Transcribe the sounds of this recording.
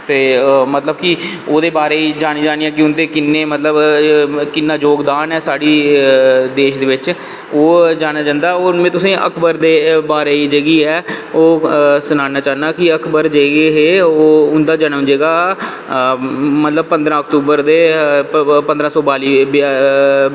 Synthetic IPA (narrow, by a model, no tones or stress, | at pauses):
t̪eːmət̪ləb̚kɪoːd̪eːbaːɾeːiːd͡ʒaːɽ̃iːd͡ʒaːñiːɛ̃ːk̬ɪʊnd̪eːkɪnːeːmət̪ləbkɪnːaːd͡ʒoːɡd̪aːnɛːsaːɽiː | d̪eːʃd̪eːʋɪt͡ʃ | oːd͡ʒaːñaːd͡ʒãːnd̪aːoːɾmɛ̃ːt̪ʊsẽːʔə̰kʰbəɾd̪eːbaːɾeːiːd͡ʒeɡiːɦɛːoːsənaːnaːt͡ʃaːnaːkɪəkʰbəɾd͡ʒeːɡeɦeːoːʊnd̪aːd͡ʒənʊ̃nd͡ʒeːɡaː | mət̪ləb̚pə̃nd̪ɾãːək̚t̪uːbəɾd̪eː | pənd̪ɾãːsɔːbaːliːb